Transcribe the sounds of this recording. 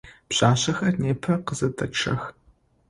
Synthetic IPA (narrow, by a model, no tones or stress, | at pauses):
pɕaːɕɐxɐrneːpʰɐqəzɐtʰʼɐʈ͡ʂʰɐ̰x